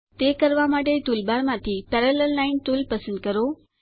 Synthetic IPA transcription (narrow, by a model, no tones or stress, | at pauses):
t̪ekəɾʋamaʈet̪ulbaɾmãt̪ʰipɛɾələlːainʈ̪ulpəsə̃nd̪̚kəɾo